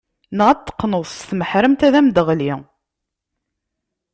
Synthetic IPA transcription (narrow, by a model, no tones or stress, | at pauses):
nʁæt̪ːə̥qːnʊðˤsθməħɾəmt̪æðæmd̪əʁli